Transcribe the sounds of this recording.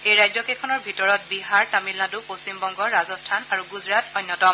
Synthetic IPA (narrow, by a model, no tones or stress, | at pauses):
ejɹajzɔkɛkʰɔnɔɹbʱitɔɹɔt̚biɦaɹtamilnadupost͡ɕimbɔŋɡɔɹazɔstʰanaɹuɡuzɹatɔjnːɔtɔm